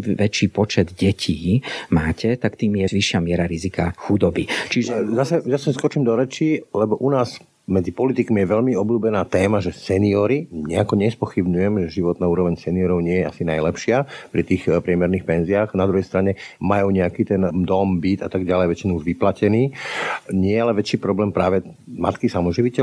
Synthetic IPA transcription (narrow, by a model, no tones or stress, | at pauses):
ʋɛt͡ʃiːpɔt͡ʃɛd̪ɟɛcʰiːmaːcʰɛt̪akt̪iːmjɛʋiʃɪamɪɛɾaɾizikaxud̪ɔbit͡ʃiʒɛzasɛzasɛskɔt͡ʃimd̪ɔɾɛt͡ʃilɛbɔʔunaːz | mɛd͡zipɔlit̪ikmijɛʋɛʎmiɔbluːbɛnaːt̪ɛːmaʒɛsɛniɔɾiɲɛakɔɲɛspɔxibɲujɛmʒɛʒiʋɔt̪naːuːɾɔʋɛɲsɛniɔɾɔʊɲɪɛjɛa̰sinajlɛpʃɪapɾit̪iːxpɾɪɛmɛɾnixpɛnziaːxnad̪ɾuɦɛjst̪ɾaɲɛmajuːɲɛakiːt̪ɛnd̪ɔmbit̪at̪aɡɟalɛjʋɛt͡ʃinuuʒʋiplacɛniːɲɪɛjɛalɛʋɛt͡ʃiːpɾɔblɛːmpɾaːʋɛma̰t̪kisamɔʒiʋicɛ